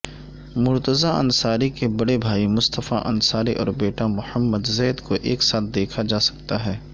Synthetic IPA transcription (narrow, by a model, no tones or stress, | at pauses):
mʊɾt̪əzaɐ̰̃nsaːɾikebɐɽebʱaːimʊst̪əfa̰ʔɐ̰nsaːɾiʔɔ̰ːɾbeːʈamʊhəmːəd̪zɛːd̪koʔeːksaːt̪̚ʰd̪eːkʰad͡ʒaːsɐ̥kt̪aɦɛː